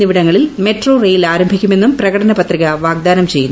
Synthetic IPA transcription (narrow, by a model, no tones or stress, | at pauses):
iʋiɽɐŋːɐɭilme̞ʈro̞ːrejilaːɾɐmbʱikʲːume̞nːumprɐɣɐʈɐnɐpɐt̪riɣɐʋaːɡ̚d̪aːnɐmt͡ɕe̞jːunː